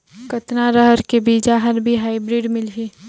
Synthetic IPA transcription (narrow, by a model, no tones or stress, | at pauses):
kət̪naɾəɦəɾkebiːd͡ʒaɦəɾbʱiɦaːibɾiːɖmɪlɦiː